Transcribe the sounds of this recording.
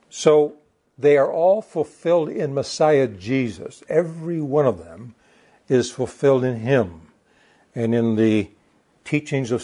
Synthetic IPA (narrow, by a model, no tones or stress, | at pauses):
soʊ | ðeɪə˞ʔɔlˠfəl̩ˠfɪlˠdɪ̃nməsaɪɨd͡ʒizɨ̰sɛvɹiwʌ̃nʌvðə̃m | ɪz̥fl̩ˠfɪlˠdɨ̃nɪ̃m | ɨ̃nɨ̃nðɨ | tʰit͡ʃɪ̃ŋzʌv̥